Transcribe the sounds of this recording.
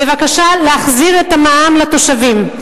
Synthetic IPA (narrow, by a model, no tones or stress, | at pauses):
bevakaʃaleaχziʁetamaamlat̪o̞ʃavim